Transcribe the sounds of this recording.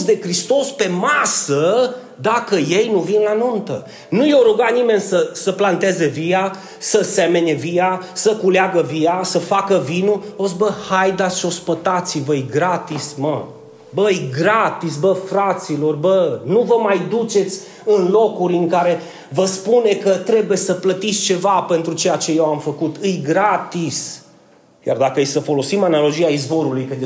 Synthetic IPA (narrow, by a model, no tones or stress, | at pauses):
sd̪e̞kɾist̪o̞spe̞masə | d̪akəje̞jnuvinlanunt̪ə | nujoɾuɡanime̞nʲsəsəplant̪e̞ze̞vija | səse̞me̞nevijasəkuleaɡəvijasəfakəvinuosbəhajd̪at̪sʃo̞spət̪at̪sivəjɡɾat̪ismə | bəjɡɾat̪isbəfɾat̪silo̞rbənuvəmajd̪ut͡ʃe̞t̪sʲ | ɨnlo̞kuɾʲɨŋkaɾe̞ | vəspune̞kət̪ɾe̞bujesəplət̪itsʲt͡ʃe̞vape̞nt̪ɾut͡ʃejat͡ʃe̞je̞wamfəkut̪ɨjɡɾat̪is | ja̰rd̪akəjsəfo̞lo̞simanalo̞d͡ʒiaizvo̞ɾulujkəd̪